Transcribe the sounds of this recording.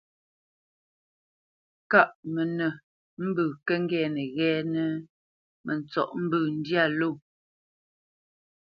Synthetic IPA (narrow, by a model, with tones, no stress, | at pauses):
ka˦˨ʔmə˨nə˨ | m̩˦bəː˨kə˦ŋ˦ɡɛː˨nə˨ɣɛː˦nə˦ | mʔə˨n˨t͡sɔ̰˨ʔm̩˦bəː˨n̩˦dja˦˨lo˦˨